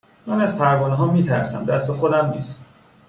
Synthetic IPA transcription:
mænæzpʰæɾvɒːneɦɒːmiːt̪ʰæ̰ɾsæ̰md̪æst̪exod̪æmniːst̪

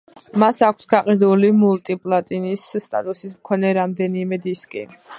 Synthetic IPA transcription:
masakʷʰsɡaqʼid̪ulimult̪ʼipʼlˠat̪ʼinisːt̪ʼa̰t̪ʼusismkʰɔnɛɾamd̪ɛnimɛd̪iskʼḭ

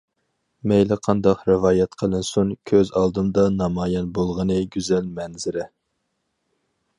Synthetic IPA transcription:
mɛjlɪqʰɑnd̪ɑqɾɨvɑːjɛt̪qʰəlˠɨnsunkʲʰøzɑlˠd̪ɨmd̪ɑnɑmɑːjɑnbolˠʁənɨɡʲyzɛlmɛnzɪɾɪ

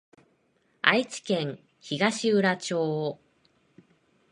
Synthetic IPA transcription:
a̰it͡ɕi̥kẽ̞ŋ̃ | çiɡaɕiɯ̟ɾat͡ɕo̞ː

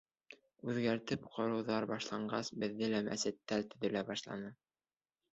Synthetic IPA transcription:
ʉðɡæɾt̪ɘpqʰŏɾɤ̆wðɑɾbɑʃlˠɑɴɢɑsbɘ̆ðːɘlæmæ̰sɘt̪ːælt̪ɵ̆ðɵ̆læbɑʃlˠɑ̰nɤ

